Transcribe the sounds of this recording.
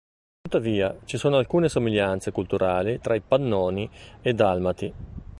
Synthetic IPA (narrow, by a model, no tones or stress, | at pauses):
t̪ut̪ːaviːat͡ʃisoːnoalkuːnesomiʎːant̪sekult̪uɾʔaːlit̪ɾaipanːɔːnied̪almat̪i